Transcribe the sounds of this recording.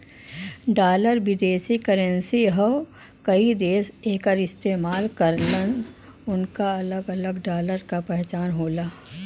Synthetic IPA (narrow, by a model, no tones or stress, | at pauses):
ɖaːləɾʋɪd̪eːʃikəɾənsiɦə | kɐid̪eːseːkəɾɪst̪eːmaːlkɐɾlən | ʊnkaɐləɡɐləɡɖaːləɾkapɛɦt͡ʃaːnɦoːlaː